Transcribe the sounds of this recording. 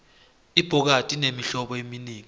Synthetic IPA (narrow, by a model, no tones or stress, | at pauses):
ib̥ʱɔk̬atʼinemiɬɔɓɔeminiːŋi